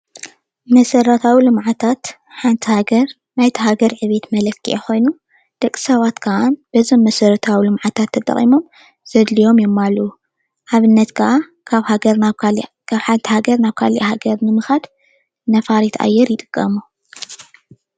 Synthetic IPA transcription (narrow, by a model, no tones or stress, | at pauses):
mɐsɐɾɐt̪ʰawilɨmʕat̪ʰat̪ | ħant̪ʰihaɡɐɾ | najt̪ʰɐɦaɡɐɾʕɨβe̞t̪mɐlɐkːiʔexo̞jnu | d̪̥ɐkʼːi̥sɐβat̪kʰɐʔanb̥ɐzomːɐsɐɾɐt̪ʰawilɨmʕat̪ʰat̪ʰːɐt̪ʼɐ̰χʼḭmo̞m | z̥ɐd̪lijo̞mjɛmːalːuu | ʔaβɨnːɐt̪kʰɐʔa | kʰaβhaɡɐɾ | kʰaβħant̪ʰihaɡɐɾnaβkʰalʔḭhaɡɐɾnɨmɨxad̪ | nɐfaɾit̪ʰa̰jːɛɾjɪt̪ʼɨ̥kʼːɐmu